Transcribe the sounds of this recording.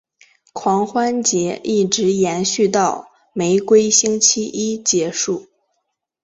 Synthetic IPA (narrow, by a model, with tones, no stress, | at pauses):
kʰwɑ˧˥ŋxwa˥nt͡ɕjɛ˧˥ʔi˥˩ʈ͡ʂɻ̩˧˥jɛ˧˥nɕy˥˧t̪ɑ˥˩ʊ | me˧˥ɪkwe˥ɪɕi˥ŋt͡ɕʰi˥ʔi˥t͡ɕjɛ˧˥ʂu˥˩